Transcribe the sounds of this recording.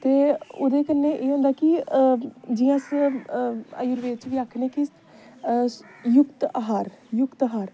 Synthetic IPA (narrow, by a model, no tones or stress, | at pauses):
t̪eːʊ̰d̪eːkənːeːʔeːɦõːnd̪aːkɪ | d͡ʒijãːs | a̰juɾʋeːt͡ʃʋiːaːkʰnẽːki | jʊkt̪aɦaːɾjʊkt̪ːɦaːɾ